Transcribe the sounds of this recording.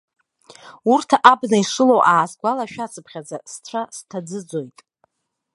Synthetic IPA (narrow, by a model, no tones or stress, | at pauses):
urtʰaʔabnaiʂɨlowʔaːsɡʷalaʃᶣat͡sʰɨpʰχʲad͡zast͡sʷʰastʰad͡zɨd͡zo̞jtʼ